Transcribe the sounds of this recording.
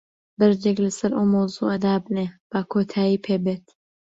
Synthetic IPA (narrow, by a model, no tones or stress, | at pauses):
bɐɾd͡ʒeklɐsɐɾʔowmɐwzṵʔad̪aːbneb̥akʰoːt̪ʰaːjiːpʰeːbeːt̪